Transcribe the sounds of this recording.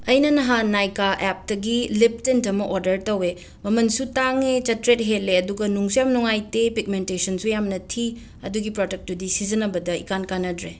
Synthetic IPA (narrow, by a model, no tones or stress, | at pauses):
ɐjnɐnɐɦanajkaʔep̚dɐɡilip̚tentɐmɐʔoɾdɐɾtɐwe | mɐmɐnsutaŋet͡ʃɐtɾet̚ɦelːeɐduɡɐnuŋsujamnuŋajtepik̚mentesɐnsʰujamnɐtʰi | ɐ̰duɡipɾodek̚tudisizɐnɐbɐdɐikankanɐdɾe